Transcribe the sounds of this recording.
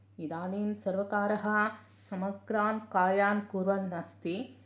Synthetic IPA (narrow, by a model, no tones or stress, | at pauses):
id̪aːliːnsɐɾʋɐkaːɾɐɦɐ | sɐmɐkɾaːnkaːjaːnkuɾʋɐnːɐst̪i